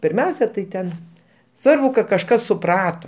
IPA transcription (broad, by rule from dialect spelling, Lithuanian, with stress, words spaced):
pʲɪrʲˈmʲɛʊsʲɛ tɐɪ ˈtʲɛn ˈsʋɐrbʊ kɐt kɐʃˈkɐs sʊˈprɑːtoː